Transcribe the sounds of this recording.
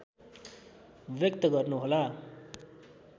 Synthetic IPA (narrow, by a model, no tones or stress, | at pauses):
bjʌk̚t̪ʌɡʌrnuɦola